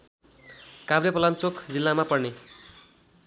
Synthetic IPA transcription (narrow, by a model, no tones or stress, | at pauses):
kabɾjepʌlant͡sokd͡zilːamapʌrne